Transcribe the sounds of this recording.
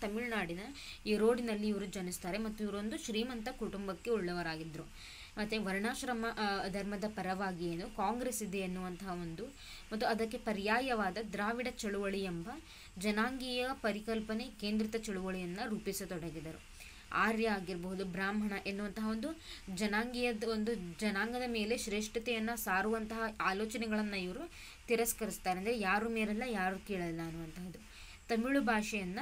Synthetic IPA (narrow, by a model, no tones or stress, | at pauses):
t̪ɐmiɭnaːɽinɐiːɾo̞ːɖinɐlːiːʋɐɾud͡ʒɐnist̪aːɾe̞mɐt̪ːuiʋɐɾond̪uʃɾiːmɐnt̪ɐkuʈumbɐkːe̞ɔɭːɐʋɐɾaːɡid̪ɾu | mɐt̪ːeʋɐɾɳaːʃɾɐmɐd̪ʱɐɾmɐd̪ɐpɐɾɐʋaːɡieːnukaːŋɡɾeːsid̪e̞ɐnːuʋɐnt̪ɐɦɐond̪u | mɐt̪ːuɐd̪ɐkːe̞pɐɾjaːjɐʋaːd̪ɐd̪ɾaːʋiɽɐt͡ʃɐɭuʋɐɭijɛmbɐ | d͡ʒɐnaːŋɡijɐpɐɾikɐlpɐne̞ke̞ːnd̪ɾit̪ɐt͡ʃɐɭuʋɐɭijɐnːɐɾuːpisɐt̪ɔɽɐɡid̪ɐɾṵ | a̰ːɾjɐaːɡiɾbɐɦud̪ubɾaːmɦɐɳɐʔe̞nːuʋɐnt̪ɐɦɐo̞nd̪ud͡ʒɐnaːŋɡijɐd̪ɐond̪ud͡ʒɐnaːŋɡɐd̪ɐme̞ːle̞ʃɾeːʂʈɐt̪ɛjɐnːɐsaːɾuʋɐnt̪ɐɦɐaːloːt͡ʃɐnɛɡɐɭɐnːɐiʋɐɾu | t̪iɾɐskɐɾist̪aːɾeɐnd̪ɐɾejaːɾumeːɾɛlːɐjaːɾukiːɭɐlilːɐɐnːuʋɐnt̪ɐɦɐd̪u | t̪ɐmiɭubʱaːʂɛjɐnːɐ